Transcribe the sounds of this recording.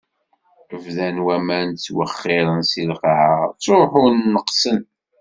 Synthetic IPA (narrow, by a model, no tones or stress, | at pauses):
əvðænwæmænt͡sːwəχːɪɾˤənsilqaʕat͡sːoħʊːəqsən